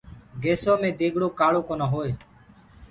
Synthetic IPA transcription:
ɡeːsoːmẽːd̪eːɡʱɽoːkaːɭoːkoːnaːɦoːeː

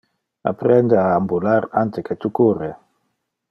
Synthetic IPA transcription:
a̰pɾend̪eaːmbulaɾant̪eket̪ukuɾe

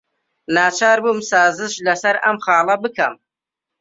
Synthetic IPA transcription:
naːt͡ʃʰaːɾbumsaːzɨʃlɐsɐɾɐmχɑːlˠɐbɨkʰɐm

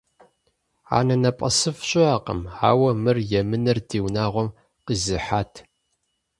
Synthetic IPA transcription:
a̰ːnɐnɐpʼɐ̰sɨfɕʼɪaːqə̰ma̰ːwɐmɨrjɛmɨnɨrdiːwnaːʁʷɔm | qizɨħaːtʰ

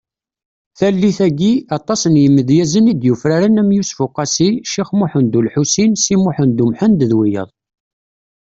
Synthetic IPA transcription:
θælːiθæɡiɑt̪ˤːɑsənjəmːəðjæzənid̪jufɾaɾənæmjusfʊqːɑsiʃiχmʊħənd̪ulħusinsimʊħənd̪umħənd̪ðwijə̰ðˤ

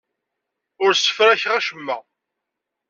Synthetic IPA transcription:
ʊɾsə̥fɾæçʁæʃəmːæ

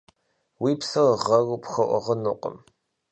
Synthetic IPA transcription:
wiːpsɐʁɐɣpxɐʔʷɔ̰ʁɐnuqʷʼə̰m

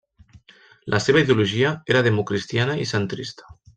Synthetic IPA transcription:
lʔaseβaiðeoluʒiaeɾaðemukɾist̪janaisent̪ɾist̪ḁ

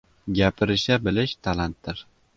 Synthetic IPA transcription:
ɡʲapʰɪɾɪʃabɪlɪʃt̪ʰalant̪̚d̪ɪɾ

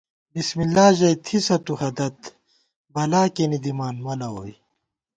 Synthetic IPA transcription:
bismilːaːʑɐjt̪ʰisɐt̪uhɐd̪ɐt̪ | bɐlaːkenid̪imaːnmɐlɐwoːj

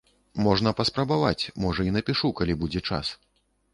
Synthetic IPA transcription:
mɔʐnɐpɐspɾɐbava̰t͡sʲmɔʐɐinɐpʲiʂukalʲibud͡zʲɛt͡ʂa̰s

